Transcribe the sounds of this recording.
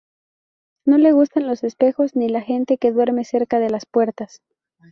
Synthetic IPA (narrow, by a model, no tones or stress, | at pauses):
no̞le̞ɣ̞ust̪anlo̞se̞spe̞xo̞znilaxe̞nt̪e̞ke̞ðwe̞ɾme̞se̞ɾkaðe̞laspwe̞ɾt̪as